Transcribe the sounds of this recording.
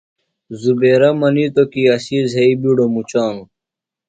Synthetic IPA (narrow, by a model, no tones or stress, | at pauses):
zubeːɾɐmɐnit̪okiɐɕizɦeibiɽomut͡ɕaːŋ